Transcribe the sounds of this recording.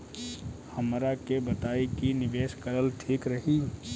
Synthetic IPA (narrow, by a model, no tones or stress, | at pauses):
hɐmɾakebət̪aːikinɪʋeːʃkəɾəlt̪ʰiːkɾɐɦi